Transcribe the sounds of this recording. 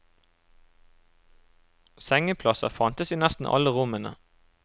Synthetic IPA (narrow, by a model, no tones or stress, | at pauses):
sɛŋəpʰlɑsɑ̰fɑnt̪əsiːnɛst̪n̩ʔɑ̰ləʁʊmənə̰